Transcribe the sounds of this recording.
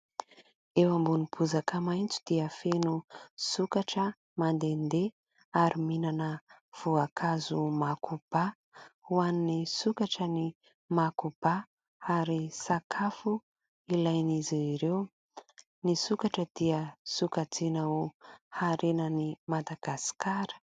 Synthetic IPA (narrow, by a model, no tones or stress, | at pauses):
ewambunipʰuzakəmajnt͡su̥d̪̥iəfenusukaʈ͡ʂə | mand̪end̪e | aɾiminanəv̥uakʰazumakub̥a | uannisukaʈ͡ʂəni | makub̥a | aɾisakʰafu | ilajniziiɾew | nisukaʈ͡ʂəd̪iəsukat͡sinauhaɾenənimad̪aɡ̥asi̥kʰaɾə̥